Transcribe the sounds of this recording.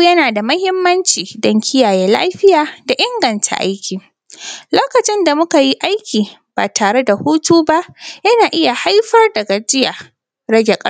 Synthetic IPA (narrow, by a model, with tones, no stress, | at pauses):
jɐ˦naː˨da˨mɐ˦hɪ˦mːɐ˦nt͡ʃiː˨dɔ˦ŋkʲʰɪ˦jaː˨jɛː˦la̰ː˦ɸɪ˦jaː˨da˨ʔɪ˦ŋɡɐ˨ntʰa̰˨ʔa̰˦jkʲʰiː˨ | loː˦kɐ˨t͡ʃɪ˦nda˨mʊ˦ka˨ji˦ʔa˦jkʲiː˨b̥a̰ː˨tʰaː˨ɽe˦da˨huː˦tuː˦ba˦ʔjɐ˦naː˨ʔɪ˦ja˨ha˦jɸɐ˦rdɐ˨ɡa˨d͡ʒɪ˦ja˨ | ɽɐ˦ɡʲe˨kʼɐ˦